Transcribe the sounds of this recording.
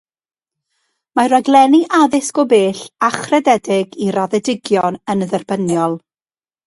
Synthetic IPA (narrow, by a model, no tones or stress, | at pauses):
maɾaɡlˠɛniʔaðɪsɡ̥ɔbeːɬaχrɛdɛdɪɡiraðɛdɪɡjɔnənðɛrbənjɔlˠ